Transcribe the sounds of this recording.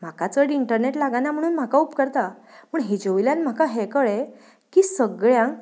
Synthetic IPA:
m̤akat͡səɾiɳʈəɾneʈlaɡanam̤əɽ̃uːnm̤akaupkəɾt̪a | muːɳɦid͡ʑoʋiljãnm̤akaɦekəɭe | kiːsəɡɭjãŋ

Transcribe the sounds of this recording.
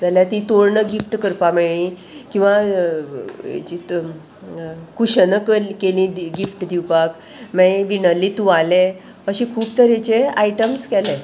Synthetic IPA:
d͡zaljat̪it̪oɾɳəɡifʈkəɾpameɭĩ | kĩw̃ʋa | t͡ɕi | kuɕənəkəlkelĩɡifʈd̪iwpak | mɛʋinəlːit̪ũʋale | əɕĩkʰuːb̚t̪əɾet͡ɕeaiʈəmskɛle

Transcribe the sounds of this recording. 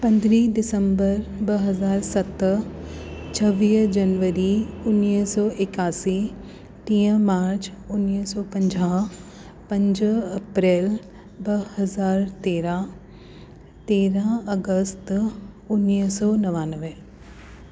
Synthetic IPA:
pɐ̃nd̪ɾiɖɪsə̃mbəɾbɐɦɐzaːɾsɐt̪ | t͡ʃʰɐʋiːd͡ʒɐnʋəɾiʊnːisɔːʔɪkaːsi | t̪ĩːə̃maːɾt͡ɕʊnːisɔːpɐ̃ɲd͡ʒaː | pɐ̃ɲd͡ʒɐpɾeːl | bɐhɐzaːɾt̪eːɾã | t̪eːɾãɐɡəst̪ | ʊnːisɔːnɐʋaːnəʋe

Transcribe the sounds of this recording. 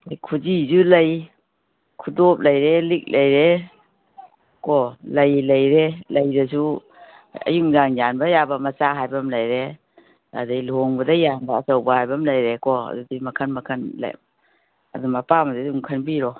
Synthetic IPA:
ajkʰud͡ʒizulaj | kʰudop̚lajɾelik̚lajɾe | kɔlajlajɾelajdas̬u | ɐ̰juŋzaŋjanbajabamat͡ʃaɦajbamlajɾe | a̰dajloŋbɐdajanbaːsawbahajbamlajɾekɔa̰dudimɐkʰanmɐkʰɐnla̰j | a̰dumapamadaduŋkʰanbiɾɔ

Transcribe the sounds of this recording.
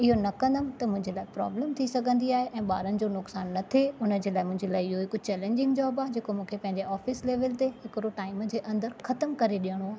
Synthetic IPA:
ɪɦonɐkɐ̃nd̪əmɪ̆t̪ɐmʊ̃ɦɪ̃ɲd͡ʑelaːɪpɾa̰ːbləmt̪ʰisɐɡʱə̃nd̪iaːɦeʔɛ̃ːɓa̰ːɾənɪ̆d͡ʑoːnʊksaːnːɐt̪ʰeʊnə̆d͡ʑeːlaːɪmʊ̃ɦɪ̃ɲd͡ʑelaːɪɪɦoɪkʊt͡ɕɛːlẽːɲd͡ʑɪ̃ŋɡd͡ʑaːbaːd͡ʑeːkomũːkʰepɐ̃ɦɪ̃ɲd͡ʑeɔːfɪsleːʋəlt̪eɦɪkɪɾoʈaːɪmd͡ʑeːʔɐ̃nd̪əɾxɐt̪əmkɐɾeɗijəɽ̃oaːɦe

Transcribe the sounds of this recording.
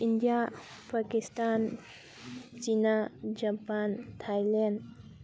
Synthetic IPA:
indija | pakistan | t͡ʃinad͡ʒapantʰajlɛnd

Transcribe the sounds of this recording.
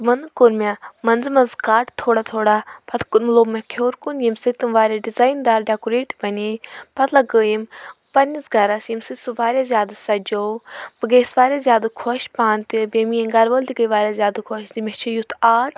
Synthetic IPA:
t̪mɐnkoɾmʲamɐnzmɐnzkaːʈt̪ʰːoːɽat̪ʰoːɽapʰɐt̪ʰkunmloːmɐkʰjoːɾkunjimsɨt̪ɨmʋaːɾʲaɖizaːjnd̪aːɾɖʲaːkuɾeːʈbɐnepʰɐt̪lɐɡəːjimpɐnisɡɐɾɐsjimsɨt̪suʋaːɾʲazʲjaːd̪asɐd͡ʒowbɨɡeːsʋaːɾʲazʲjaːd̪ɨkʰɔʃpaːnt̪ibeːmijeŋɡɐɾʋəld̪iɡəjʋaːɾʲazʲjaːd̪ɨkʰoʃzimʲet͡ʃʰijut̪ʰaːʈ

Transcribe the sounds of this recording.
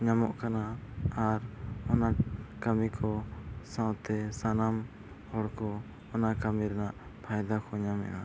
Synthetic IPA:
ɲamɔʔkanaaɾɔnakamikʰɔsãwt̪ɛsanam | ɔɽkɔ | ɔnakamiɾɛnaʔ | pʰajd̪akʰɔɲamɛ̰ʔa

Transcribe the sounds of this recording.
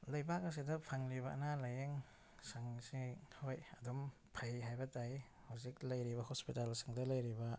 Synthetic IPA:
lɐjbakɐs̬idɐpʰaŋliβɐɐ̰nalɐjeŋ | saŋsihojɐdɔm | pʰajɦajbɐtaj | hawzik̚lɐjɾibɐhospitalsi̥ŋdɐlɐjɾibɐ

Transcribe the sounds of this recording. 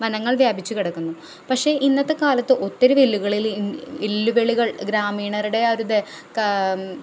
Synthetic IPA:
mɐnɐŋːɐɭʋjaːbʱit͡ɕːukiɽɐkːunːu | pɐkʂe̞ʔinːɐt̪ːekaːlɐt̪ːɨʔo̞t̪ːɐɾuʋelːuɣɐɭilelːuʋeɭiɣɐɭɡɾaːmiːɳɐɾuɽe̞ɐɾud̪e | k

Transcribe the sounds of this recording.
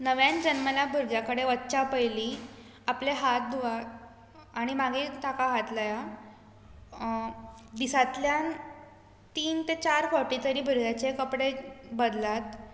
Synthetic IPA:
nəʋjãnd͡ʑənməlabʱuɾɡjakəɽeʋətːɕapəjliː | apleɦat̪̚d̪uʋa | aɽ̃imaɡit̪akaɦat̪laja | d̪isat̪ljan | t̪iːnt̪et͡ɕaɾfɔʈit̪əɾiːbʱuɾɡjat͡ɕekəpɽebəd̪lat̪

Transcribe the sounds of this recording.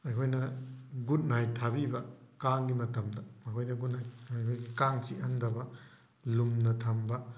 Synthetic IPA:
ɐjkʰojnɐɡut̚najtʰabibɐkaŋɡimɐtɐmdɐmɐkʰojdɐɡut̚najɐjkʰojɡikaŋsiɦɐndɐbɐ | lumnɐtʰɐmbɐ

